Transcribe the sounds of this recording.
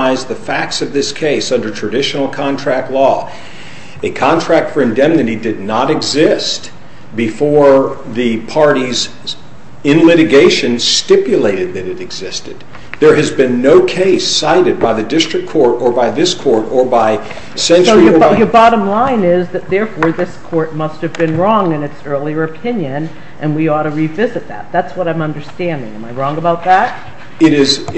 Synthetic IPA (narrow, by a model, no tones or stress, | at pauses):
ɪzðɨfæk̚tsʌvðɪskʰeɪsʌ̃ndə˞tʰɹ̥ɨdɪʃn̩l̩ˠkʰɑ̃ntʰɹ̥æk̚tˡlɔ | ɨkʰɑ̃ntʰɹ̥æk̚tfə˞ɨ̃ndɛ̃mnɨɾidɨdⁿnəɾɨɡzɪst̚ | b̥ɨfɔɹðɨpʰɑɹɾiz | ɨ̃nlɪɾɨɡeɪʃɨ̃nstɪpjɨleɪɾɨd̪̚ðɨɾɨɾɨɡzɪstɨd̪̚ | ðə˞ɨzbɨ̃nːoʊkʰeɪsaɪɾɨd̚baɪðɨdɪstɹ̥ɨk̚ʰɔɹɾə˞baɪðɪskʰɔɹɾə˞baɪ | sɛ̃nt͡ʃsoʊjə˞jə˞bɑɾə̃mlãɪ̃nɪzðɨt̪̚ðɛɹfɔɹðɪskʰɔɹt̚mʌst̚hɨvbɨ̃nɹɔ̃ŋɨ̃nɨtsɜ˞lˠiə˞ɨpʰɪ̃njɨ̃n | ʔɨ̃nwiɔɾɨɹivɪzɨt̪̚ðæ̰t̪̚ðætswʌɾãɪ̃mʌ̃ndə˞stæ̃ndɪ̰̃ŋɨ̃maɪɹɔ̃ŋəbaʊt̪̚ðæt̚ | ɪɾɪz